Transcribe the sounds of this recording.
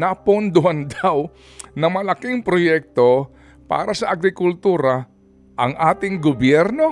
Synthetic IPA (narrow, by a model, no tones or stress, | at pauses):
napʊnd̪ʊhand̪aw | nɐŋmɐlɐkɪŋpɾojɛk̚t̪o | pa̰ːɾɐsɐʔɐɡɾɪkʊlt̪uːɾɐ | ʔɐŋʔaːt̪ɪŋɡobjɛɾno